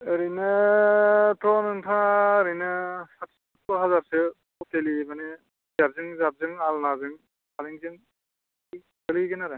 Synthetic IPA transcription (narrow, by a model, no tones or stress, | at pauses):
ɯɾɯjnɯ | tʰɔnɯŋtʰãɾɯjnɯsatsɔt̚kɔɦazaɾsɯ | ɔk̚telimane | jaɾzɯŋzap̚zɯŋalnazɯŋ | aliŋzɯŋ | ɡɯlɯjɡɯnaɾan